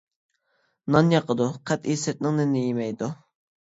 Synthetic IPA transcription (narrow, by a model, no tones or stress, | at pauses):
nɑnjɑqʰəd̪uqʰɛt̪isɛt̪̚nɪŋnɪnɪjemɛjd̪u